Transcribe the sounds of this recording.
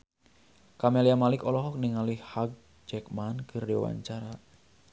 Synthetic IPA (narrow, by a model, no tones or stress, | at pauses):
kameliamalɪkɔlɔɦɔk̚niŋalɪhhaɡ̚ | d͡ʒɛkmankɨrdiwa̰ɲt͡ʃaɾa